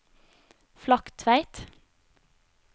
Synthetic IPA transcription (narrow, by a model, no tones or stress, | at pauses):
flɑkt̪ʰʋæɪt̪